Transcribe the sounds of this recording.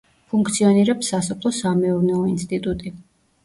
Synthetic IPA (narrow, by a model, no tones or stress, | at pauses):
pʰuŋk̚ʰt̪sʰiɔniɾɛpsːasɔpʰlˠɔsamɛuɾnɛɔinst̪ʼit̪ʼut̪ʼi